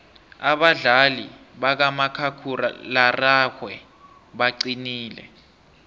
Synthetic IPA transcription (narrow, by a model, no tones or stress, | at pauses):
aɓaɮalḭɓak̬amakʰakʰura̰laraxwɛ | ɓaǀiniːlɛ̰